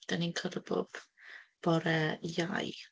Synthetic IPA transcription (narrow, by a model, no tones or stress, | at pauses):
d̥aninkʰəɾəbɔ̰b̥b̥ɔɾɛjaj